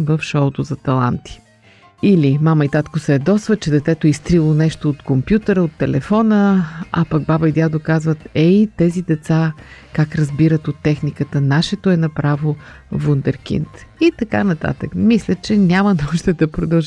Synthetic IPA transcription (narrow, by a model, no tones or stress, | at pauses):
vəfʃɔt̪ozɐt̪ɐlˠa̰nt̪i̥ | ilimamɐit̪at̪kosɛːd̪ɔsvət͡ʃɛd̪ɛt̪ɛt̪oɛist̪ɾilˠonɛʃt̪oːt̪kompjut̪əɾəot̪ːɛlɛfɔnəa̰pɐɡ̚babəid̪ʲjad̪okazvət̪ɛit̪ɛzid̪ɛt̪sakakɾɐzbiɾət̪ot̪ːɛxnikət̪ənaʃɛt̪oɛnɐpɾavo | vund̪ɛɾk̟ḭnt̪it̪ɐka̰nɐt̪a̰t̪əkmislʲət͡ʃɛnʲamɐnuʒd̪ɛd̪ɐpɾod̪ɐlˠʒ